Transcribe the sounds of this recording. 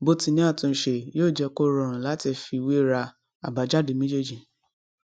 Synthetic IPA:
bo˦tĩ˧nĩ˦a˦˨tũ˧˨˦ʃe˨joː˦˨d͡ʒɛ˧ko˦ɾɔ̃˧˨ɾ̃ã˨la˨˦ti˧˨fi˧we˦ɾa˧ | a˨ba˨˦d͡ʒa˦˨di˨˦mĩ˦d͡ʒe˦d͡ʒĩ˨

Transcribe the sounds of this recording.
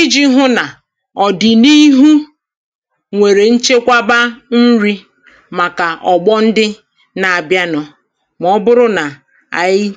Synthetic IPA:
i˦d͡ʒi˦ɦʊ˦na˨ | ɔ˨dɪ˨ni˦ɦu˦ | ŋʷe˨ɾe˨n̩˦t͡ʃe˦kʷa˦ba˦n̩˦ɾi˦ | ma˨ka˨ʔɔ˨ɡ͡bɔ˦n̩˦dɪ˦ | na˨a˨bja˦nɔ˨ | m˨ɔ˦bʊ˦ɾʊ˦na˨ | a̰˨ji˦

